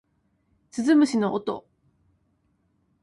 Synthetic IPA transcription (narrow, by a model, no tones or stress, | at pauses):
t͡sɨzɨmɯ̟ɕinoʔot̪o̰